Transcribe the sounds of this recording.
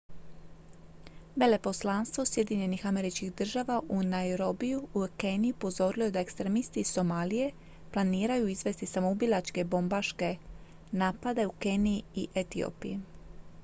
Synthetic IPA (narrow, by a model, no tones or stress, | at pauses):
be̞le̞po̞slˠanst̪ʋo̞sje̞d̪iɲe̞nixame̞ɾit͡ʃkixd̪r̩ʒaːʋaʔunaeɾo̞bijuukenijiupo̞zo̞ɾiloe̞d̪aekst̪ɾemist̪iːso̞maːlije̞ | plˠaniːɾajuizʋe̞st̪isamoubilˠat͡ʃke̞bo̞mbaʃke̞ | naːpad̪e̞ukeniḭʔe̞t̪io̰piji